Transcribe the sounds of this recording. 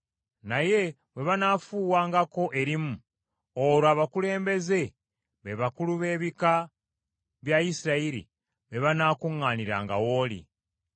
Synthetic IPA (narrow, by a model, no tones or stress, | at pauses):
naje̞ | βwe̞βanafuːwaːŋɡako̞ʔe̞ɾimu | oɾoaβakule̞ːmbe̞ze̞ | βe̞βakuluβe̞ːβika | βjaisiɾaiɾḭ | βe̞βanaːkuŋːaːniɾa̰ːŋɡa̰wo̞ːlḭ